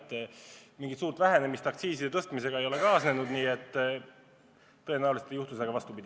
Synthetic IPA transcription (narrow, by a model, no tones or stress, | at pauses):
t̪ːˑmiŋɡit̪suːrt̪væɦe̞ne̞mist̪ɑk̚t̪siːsid̪et̪ɤst̪mise̞ɡ̥ɑe̞jo̞le̞kɑːsne̞nud̪niːe̞t̪ː | ɤ̞enæwliset̪ejuht̪useɡɑvɑst̪upid̪̥ʲ